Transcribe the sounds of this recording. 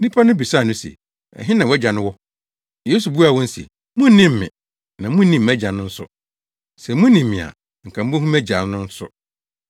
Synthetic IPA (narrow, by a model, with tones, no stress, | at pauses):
nĩ˦pʰa˦nʊ̃˦bi˨sa˦˨nʊ̃˦sɛ̰˨ | ɛ̰˨ɦɪ̃˦nã˨wɔ˦æ˦d͡ʑã˨nʊ̃˦wɔ˦ | je˦su˨bu˦a˨wɔ̃˦n̩˦sḭ˨ | mʊ̃˦n̩˦nɪ̃˦m̩ː˨ɪ̰̃˨ | nã˨mʊ̃˦n̩˦nĩ˦mæ˦d͡ʑã˨nʊ̃˦n̩˦sʊ̰˦ | sɛ˨mũ˦nĩ˨mːɪ̃˨a̰˨ | ŋ̩˨kʰã˨m̩˦bɔ̃˦ɦũ˦mæ˦d͡ʑã˨n˦nʊ̃˦n̩˦sʊ̰˦